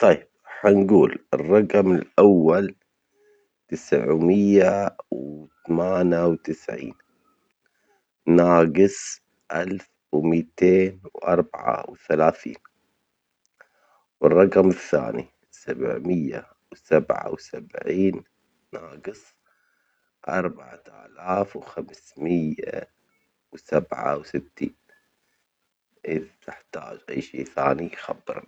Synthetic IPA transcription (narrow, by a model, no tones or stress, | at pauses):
t̪ˤɑjːɪb̥̚ | ħanɡuːlɪrˤːɑqmɪlʔawːal | t̪ɪsʕmɪjːawt̪amaːnjawt̪ɪsʕḭːn | naːɡɪsˤ | ʔalf | wmiːt̪eːnwʔɑɾˤbaʕa̰wθalaːθḭːn | wɪrˤːɑqmɪθːa̰ːni | sabʕmɪjːa̰ | wsabʕa̰wsabʕiːnː | aːɡɨsˤ | ʔɑɾˤbaʕaʔalaːfwxamsmɪjːa | wsabʕa̰wsɪt̪ʰːiːn | ʔɪðt̪ɪħt̪a̰ːd͡ʒʔajːʃeːθaːnixabːɨɾˤ